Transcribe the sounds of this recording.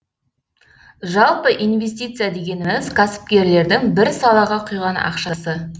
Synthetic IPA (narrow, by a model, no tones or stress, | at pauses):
ʒɑlˠpəʔijnvʲe̞st̪ijt̪sɨjad̪e̞ɡʲe̞nɪmɪzkʰasɪ̥p̚kʲe̞ɾle̞ɾd̪ɪŋbɪɾsɑlˠɑʁɑqʰʊjʁɑnɑ̰qʃɑsə